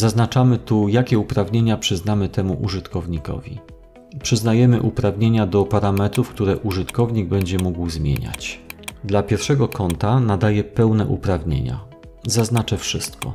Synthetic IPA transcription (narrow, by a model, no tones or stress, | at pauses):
zaznat͡ʂamɘt̪ujakʲɛupɾavɲeɲapʂɘznamɘt̪ɛmuʔuʐɘt̪kɔvɲikɔ̰vʲḭ | pʂɘznajɛmɘʔupɾavɲeɲad̪ɔpaɾamɛt̪ɾufk̚t̪uɾɛʔuʐɘt̪kɔvɲiɡ̚bɛɲd͡ʑɛmuɡwzmʲjḛɲa̰t͡ɕd̪lapʲjɛɾfʂɛɡɔkɔnt̪anad̪ajɛpɛwnɛʔupɾavɲḛɲa̰ | zaznat͡ʂɛfʂɘst̪kɔ̰